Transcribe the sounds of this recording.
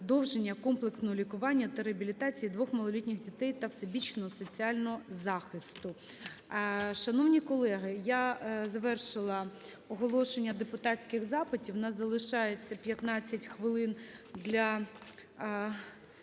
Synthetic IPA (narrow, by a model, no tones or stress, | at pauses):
d̪ɔwʒenʲːɐkɔmplˠeksnɔɦɔlʲikʊʋɑnʲːɐt̪ɐɾeɐbʲilʲit̪ɑt͡sʲijid̪ʋɔxmɐlˠɔlʲitʲnʲɪxdʲit̪ɛjt̪ɐwsebʲit͡ʃnɔɦɔsɔt͡sʲiɑlʲnɔɦɔzɑxɪst̪ʊ | ʃɐnɔwnʲikɔlˠɛɦɪjazɐʋɛrʃɪlˠɐ | ɔɦɔlˠɔʃenʲːɐd̪epʊt̪ɑt͡sʲkɪxzɑpɪtʲiwnɑzɐlˠɪʃɑjet͡sʲːɐpʲjɐt̪nɑt͡sʲːɐtʲxʋɪlˠɪnd̪lʲɐ